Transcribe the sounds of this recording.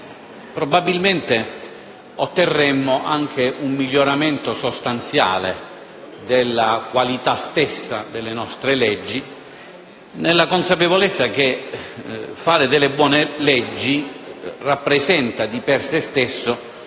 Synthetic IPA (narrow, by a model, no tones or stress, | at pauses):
pɾobabːilment̪e | ot̪ːerːɛmːoʔaŋk̟ʰeʔumːiʎːoɾament̪osost̪ant̪sja̰ːle | d̪elːakwalit̪ast̪esːad̪elːenɔst̪ɾelɛd͡ʒːi | nelːakonsapevolet̪sːak̟e | faːɾɪd̪elːebwɔːnelɛd͡ʒːirapːɾezɛnt̪ad̪ipersest̪esːo